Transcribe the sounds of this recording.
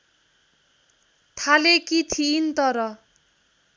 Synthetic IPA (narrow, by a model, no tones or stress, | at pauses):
t̪ʰalekit̪ʰiːnt̪ʌɾʌ